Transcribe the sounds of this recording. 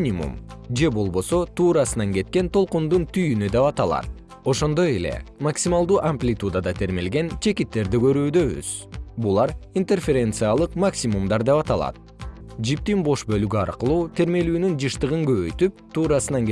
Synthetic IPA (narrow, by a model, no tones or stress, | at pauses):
nʲimṵmd͡ʒe̞bo̞lˠβo̞so̞t̪uːɾɑsɯnɑŋɡe̞t̪̚ke̞nt̪ʰo̞lˠqund̪unt̪ʰyjynyd̪epɑt̪ɑlˠɑ̰t̪̚ | o̞ʃo̞nd̪o̞je̞le̞̰maksʲimalˠd̪uːʔamplʲit̪ud̪ad̪ɑt̪ʰe̞ɾme̞lɡe̞nt͡ʃʰe̞kit̪ːe̞ɾd̪iɡø̞ɾyːd̪ø̞βy̰z̥ | bulˠɑɾint̪e̞rfʲeɾʲent̪sɨjalˠɯqmaksʲimumd̪ɑɾd̪e̞pɑt̪ɑlˠɑ̰t̪̚ | d͡ʒip̚t̪inbo̞ʃbø̞lɡyɑ̰ɾqɯlˠuːt̪ʰe̞ɾme̞lyːnynd͡ʒɯʃt̪ɯʁɯŋɡø̞βøjt̪yp̚t̪ʰuːɾɑsɯnɑŋ